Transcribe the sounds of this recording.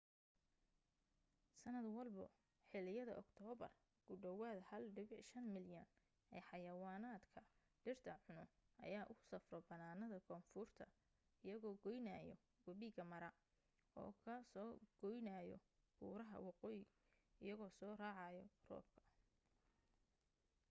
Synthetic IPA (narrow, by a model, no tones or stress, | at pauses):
sɐnɐd̪wɐlbɔ̰ | ħɪlɪjɐðɐ̰ʔɔkt̪ʰɔːβɐ̰r | ɡ̥ʊɖɔwaːðhɐlɖɪβɪʃɐnmɪljɐn | ʔɛːħɑjɐwaːnaːd̪kʰɐ | ɖ̥ɪrt̪ʰɐʕʊnʊʔɐ̰jaːʔʊsɐfrɔbɐnaːnɐðɐkʰɔːnfʊrt̪ʰɐ | ɪjɐɣɔːɡɔjnajɔ̰ | wɐβiɣɐmɐɾɐ | ɔ̰ːkʰɐsɔːɡ̥ɔjnajɔ̰ | b̥uːɾɐɦɐ̰wɑqɔːjɪ | ɪjɐɣɔːsɔːraːʕɑjɔrɔ̰ːb̚kʰɐ̥